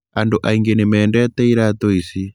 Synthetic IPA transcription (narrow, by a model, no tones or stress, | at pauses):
andoʔaiŋɡenemɛːndɛt̪ɛiɾat̪oisi